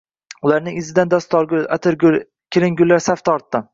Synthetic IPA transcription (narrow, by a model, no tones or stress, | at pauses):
ʊlaɾnɪŋɪzɪd̪and̪ɒst̪ɒɾɡʲʊla̰t̪ʰɪɾɡ | kʲʰeɾɪŋɡʲʊlːaɾsaft̪ʰɒɾt̪ːɪ